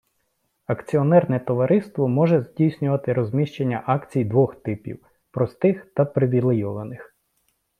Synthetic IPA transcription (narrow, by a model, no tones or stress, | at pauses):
ɐkt͡sʲiɔnɛrnɛt̪ɔʋɐɾɪst̪ʋɔmɔʒɛzʲdʲijsʲnʲʊʋɐt̪ɪɾɔzʲmʲiʃt͡ʃenʲːɐʔɑkt͡sʲijd̪ʋɔxt̪ɪpʲḭw | pɾɔst̪ɪxt̪ɐpɾɪʋʲilˠɪjɔlˠɐnɪx